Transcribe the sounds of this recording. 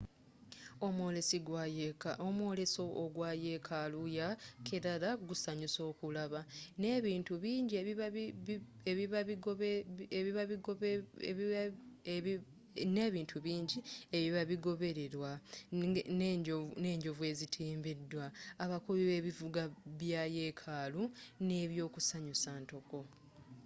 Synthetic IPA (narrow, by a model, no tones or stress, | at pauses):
omolesiɡ | omwoleso̞ʔːɡwaːje̞kʰalujakʰeɾaɾaɡusaɲiso̞ːkulaβaneβiːntuβiːɲɟiei | eβiβaiɡeβiβaiɡ | ne̞ːβiːntʰuβiːɲɟieβiβaβiɡo̞βe̞ɾe̞ɾwa | one̞ːɲɟo̞vwe̞ːzitʰiːmbedːwaːβakuβiβeːβivuɡaβjaje̞ːkʰaːlune̞ːβjo̞ːkusaɲusaːnto̞ko̞